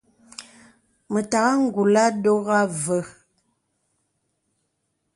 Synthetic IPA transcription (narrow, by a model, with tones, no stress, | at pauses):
mə˨ta˨ɣa˦ŋ̩˦˨ɡu˨la˦do˦ɣa˦və˨